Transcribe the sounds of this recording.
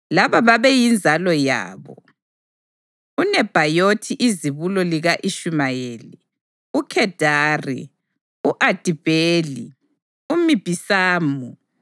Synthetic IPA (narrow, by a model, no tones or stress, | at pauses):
laβaβaβɛjind͡zʱalɔja̰ːβɔ | unɛb̥ʱajotʰiʔiziβulɔliɣaʔiʃumajeːli | ukʰɛd̥ʱaːrḭ | uʔad̥ʱib̥ʱeːli | umib̥ʱisaːmu